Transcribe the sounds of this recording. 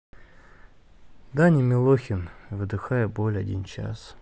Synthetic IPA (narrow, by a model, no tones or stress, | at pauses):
d̪anʲɪmʲɪlˠoxʲɪnvɨd̪ɨxajəbolʲɐdʲḭnt͡ɕa̰s